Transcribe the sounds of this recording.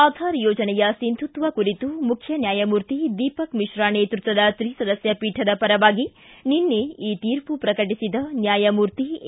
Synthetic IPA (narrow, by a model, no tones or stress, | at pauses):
aːd̪ʱaːɾjɔːd͡ʒɐnɛjɐsind̪ʰʱut̪ʋɐkuɾit̪umukʰjɐnjaːjɐmuːɾt̪id̪iːpɐkmiʃɾaːneːt̪ɾut̪ʋɐd̪ɐt̪ɾiːsɐd̪ɐsjɐpiːʈʰɐd̪ɐpɐɾɐʋaːɡi | ninːeiːt̪iːɾpupɾɐkɐʈ̬isid̪ɐnjaːjɐmuːɾt̪i